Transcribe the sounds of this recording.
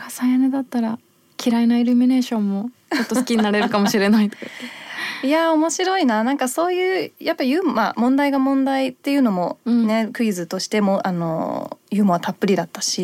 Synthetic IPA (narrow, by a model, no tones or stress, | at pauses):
kʰasajaned̪at̪ːaɾa | kʲiɾainaiɾʲɯmʲine̞ːɕõ̞mːo̞t͡ɕo̞t̪ːosɨ̥kʲiɲinaɾe̞ɾɯ̟kamoɕiɾe̞nait̪ | ijao̞mo̞ɕiɾo̞inanãŋkaso̞ːjɯ̟ːjʔapːajɯ̟mma̰mõ̞nd̪aiɡamõ̞nd̪ait̪ːe̞jɯ̟ːno̞mo̞ne̞kɯ̟izɨt̪o̞ɕi̥t̪e̞mo̞ʔano̞̰jɯ̟ːmoβat̪ʰapːɯ̟ɾʲid̪at̪ːaɕi